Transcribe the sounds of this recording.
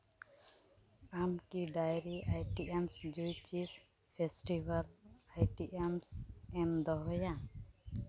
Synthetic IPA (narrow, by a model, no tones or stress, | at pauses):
amkiɖajɾiʔajʈiʔemsd͡ʒujt͡ʃis | pʰesʈibalajʈiʔemsɛmd̪ɔɦɔja